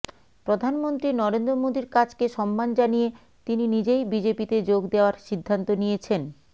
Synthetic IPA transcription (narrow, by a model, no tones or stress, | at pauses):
pɾod̪ʱanmont̪ɾinɔɾend̪ɾomod̪iɾkat͡ɕkeʃɔmːand͡ʑanije | t̪ininid͡ʑejbid͡ʑepit̪ed͡ʑoɡd̪eoaɾʃid̪ʱːant̪onijet͡ɕʰen